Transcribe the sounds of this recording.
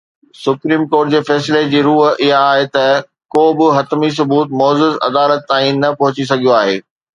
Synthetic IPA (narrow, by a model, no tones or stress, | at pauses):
sʊpɾiːmkoːɾʈ̚d͡ʑeːfɛːsled͡ʑiːɾuːɦɪɦaːɦet̪ɐ | koːbɪɦɐt̪mis̬ʊbuːt̪mɔːzʊzɐ̰d̪aːlət̪ːãːĩnɐpɐɦʊt͡ɕis̬ɐɡijoaːɦeː